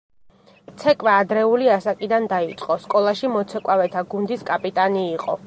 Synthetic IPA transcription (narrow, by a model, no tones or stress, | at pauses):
t̪sʰɛkʼwaːd̪ɾɛuliasakʼid̪and̪ait̪sʼqʼɔskʼɔlˠaʃimɔt̪sʰɛkʼavɛt̪ʰaɡund̪iskʼapʼit̪ʼaniːqʼɔ̰